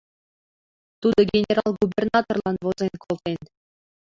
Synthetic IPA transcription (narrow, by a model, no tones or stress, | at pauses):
t̪ud̪ɤ̆ɡʲenʲeɾɑlˠɡubʲernɑt̪orlˠɑnʋɤ̆zʲenʲkʰolˠt̪enʲ